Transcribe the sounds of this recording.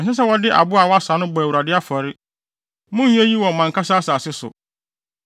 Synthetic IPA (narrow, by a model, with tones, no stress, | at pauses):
n̩˨sɛ˦s̬ɛ˦wɔ˨dɪ˦ʔa̰˨bʊ˦a˨wɔ˦a˦saː˨˦nʊ̃˦bɔ˨æ˨u˨ɾa˨dɪ˦a˦fɔ˨ɾɪ˦ | mʊ̃˦ɛ˦ji˦wɔ̃˨mã˨ŋkʰa˦saː˦saː˨sɪ˦sʊ̰˨